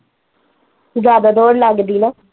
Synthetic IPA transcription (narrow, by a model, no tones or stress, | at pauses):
zjaːd̪aːd̪ɔːɾləɡd̪iːnaː